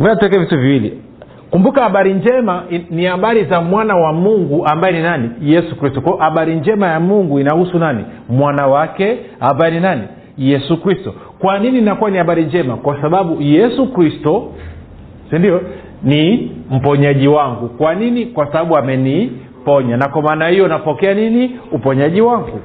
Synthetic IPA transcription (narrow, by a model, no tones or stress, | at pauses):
mɛnatuɛkɛvituviwilḭ | kumbukahaɓaɾiɲd͡ʒɛmanihaɓaɾizamwanawamuŋɡuʔambaɛninanijɛsukɾistɔkɔɔʔaɓaɾiɲd͡ʒɛmajamuŋɡuinahusunanḭmwanawakɛambaɛninani | jɛsukɾistɔ | kwanininakuwanihaɓaɾiɲd͡ʒɛmakwasaɓaɓujɛsukɾistɔ | sindiɔ | nim̩pɔɲaʄiwaŋɡukwaninikwasaɓaɓuamɛni | pɔɲanakwamaːnahijɔnapɔkɛaniniupɔɲaʄiwaŋɡu